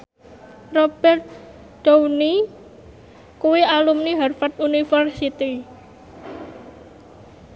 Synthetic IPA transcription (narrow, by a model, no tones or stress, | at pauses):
rɔb̥ɛrt̪̚ | d̥owni | kuwiʔalumniɦarfat̪̚unifərsit̪i